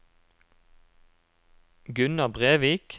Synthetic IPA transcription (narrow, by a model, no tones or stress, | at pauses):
ɡʉnɑbʁeːʋiːk